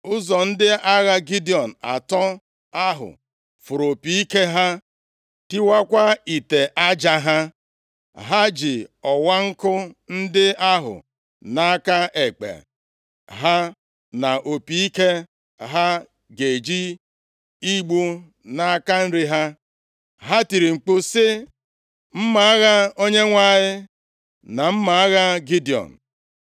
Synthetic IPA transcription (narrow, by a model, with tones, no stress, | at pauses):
ʊ˦zɔ˨n̩˦dɪ˦a˦ɣa˦ɡi˦di˨ɔ˨n̩˨a̰˨tɔ˦ | a˦ɦʊ̰˨ | fʊ˨ɾo˨pi˨i˦ke˦ɦa˦ | ti˦wa˦kʷa˦i˨te˨ʔa˦d͡ʒa˦ɦa˦ | ɦa˦d͡ʒɪ˨ɔ˨wa˦ŋ̩˦kʊ˦n̩˦dɪ˦a˦ɦʊ̰˨ | na˦ka˦e˨k͡pḛ˨ | ɦa˦ | na˨ʔo˨pi˨i˦ke˦ | ɦa˦ | ɡe˨d͡ʒi˦ | i˦ɡ͡bu˦ | na˦a˦ka˦n̩˦ɾi˦ɦa˦ | ɦa˦ti˨ɾi˨ŋ͡m̩˨k͡pʊ˦sɪ˦ | m̩˦ma˨a˦ɣa˦o˦ɲe˦ŋʷa˦˨ɲɪ˦ | na˨m̩˦ma˨a˦ɣa˦ɡi˦di˨ɔ̰˨n̩˨